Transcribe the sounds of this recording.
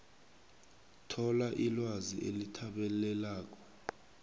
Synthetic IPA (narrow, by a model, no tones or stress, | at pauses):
tʰɔlaʔilwazḭʔelitʰaɓɛlɛlaːk̬ɔ̥